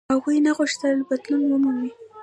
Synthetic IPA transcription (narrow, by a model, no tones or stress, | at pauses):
aɣujnaɣʊʃt̪əlbad̪lunwʊmuwi